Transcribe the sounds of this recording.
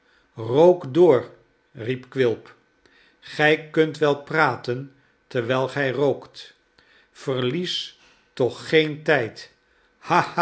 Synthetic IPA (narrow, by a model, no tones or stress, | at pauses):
rowkdʊːɹ | ripkʋɪlˠp | χɛjkɵntʋɛlˠpraːtən | təɹʋɛjlˠχɛjrowkt | fərlis | tɔχːejntɛjt | ha